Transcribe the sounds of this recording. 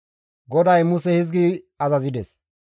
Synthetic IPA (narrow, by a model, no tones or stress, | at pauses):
ɡɔd̪ɐjmʊsɛhɪzɡi | ɐzɐzɪd̪ɛs